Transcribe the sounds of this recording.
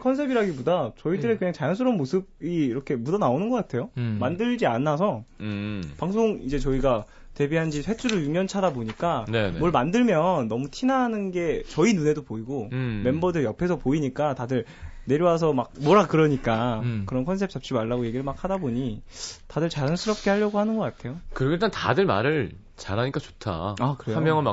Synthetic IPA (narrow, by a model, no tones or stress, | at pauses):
kʰʌnsʰe̞biɾaɡibodat͡ɕʌidɯɾekɯɲaŋt͡ɕajʌns̬ʰɯɾʌmːosʰɯb̚iːɾʌkʰe̞mudʌnaonɯnɡʌk͈atʰe̞jomandɯɭd͡ʑianːas̬ʰʌ | paŋs̬ʰoŋid͡ʑe̞t͡ɕʌiɡa | te̞biɦand͡ʑisʰe̞t͡ɕʰuɾɯjuŋɲʌnt͡ɕʰadaboɲik͈aemwʌɭmandɯɭmjʌnːʌmutʰinanɯnɡe̞t͡ɕʌinune̞dopoiɡome̞mbʌdɯɭjʌpʰe̞sʰʌpoiɲik͈atadɯɭ | ne̞ɾjowas̬ʰʌmak̚mwʌɾakɯɾʌɲik͈akɯɾʌnkʰʌnsʰe̞p̚t͡ɕ͈ʰap̚t͡ɕ͈imaɭːaɡoje̞ɡiɾɯɭmak̚hadaboɲitadɯɭt͡ɕaɾɯns͈ʰɯɾʌp̚k͈e̞haʎːʌɡohanɯnɡʌk͈atʰe̞jokɯɾiɡoiɭtanta̰dɯɭma̰ɾɯɭ | t͡ɕaɾaɲik͈at͡ɕotʰa̰akɯɾejamjʌŋɯnma